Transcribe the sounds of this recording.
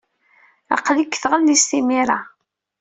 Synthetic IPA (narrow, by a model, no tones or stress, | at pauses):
ɑ̰qlikːθʁəlːist̪imiɾa